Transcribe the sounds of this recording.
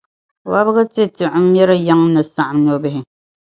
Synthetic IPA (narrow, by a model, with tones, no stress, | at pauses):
wa˦bɨ˦ɣɨ˦te˦ti˨ʔ̩˦mjɛ˦ɾɨ˦ja˦ŋ˦nɨ˨sa˨ʔa˨mn˨ɔ˨bɛ˨ɦɪ˨